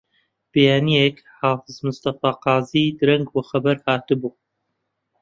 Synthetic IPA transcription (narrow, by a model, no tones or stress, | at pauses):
b̥ɨjaːnijek | haːfɨzmʊst̪ɐfɑːqɑːziːd̪ɨɾɛŋɡbɨxɐbɐɾhaːt̪ɨbuː